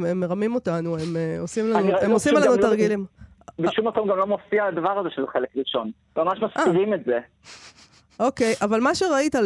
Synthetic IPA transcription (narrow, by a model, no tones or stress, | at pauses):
emːe̞ʁamimo̞tanuemeosimlanuemosimlanutaʁɡilim | beʃumatomɡamlo̞mofiad̪avaʁazeʃelχelekʁiʃo̞n | mamaʃmaskaiʁimetze | ʔo̞kejʔavalmaʃeʁait̪al